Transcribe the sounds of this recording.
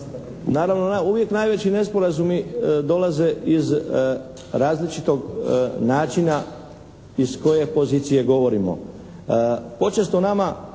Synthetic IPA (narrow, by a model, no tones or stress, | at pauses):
naːɾaʋnonuʋje̞knajʋet͡ɕine̞spo̞ɾazumid̪o̞laze̞ʔiz | ɾaːzlit͡ʃit̪o̞ɡnaːt͡ʃina | isko̞je̞poziːt̪sije̞ɡo̞ʋo̞ɾimo̰ | po̞t͡ʃe̞st̪onama